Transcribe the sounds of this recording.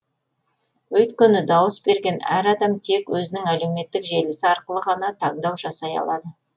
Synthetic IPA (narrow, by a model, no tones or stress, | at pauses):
wɵt̪kʲenɪd̪ɑwəsbe̞ɾɡʲe̞næ̰ɾɑd̪ɑmt̪ʰe̞kwɵzɪnɪŋæle̞wme̞t̪ːɪkʒe̞lɪsɪɑɾqəlˠəʁɑnɑt̪ʰɑɴd̪ɑwʒɑsɑjɑ̰lˠɑd̪ə